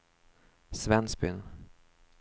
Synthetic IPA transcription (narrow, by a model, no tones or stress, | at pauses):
svɛnsbʏ̰n